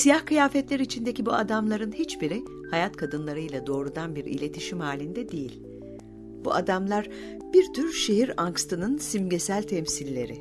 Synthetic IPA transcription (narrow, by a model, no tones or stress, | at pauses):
sijahkɯjaːfɛt̪lʲeɾit͡ʃʰind̪e̞cibuad̪amlˠaɾɯnhit͡ʃbiɾi | hajat̪kʰad̪ɯnlˠaɾɯjlˠad̪o̞ːɾud̪anbiɾḭlʲe̞t̪ʰiʃimhaːlʲind̪ɛd̪e̞jilʲ | b̥ṵʔa̰d̪amlˠaɾ | biɾt̪ʰyɾʃe̞ɦiɾaŋkst̪ʰɯnɯnsimɟe̞sælʲt̪ʰɛmsilʲːe̞̰ɾɪ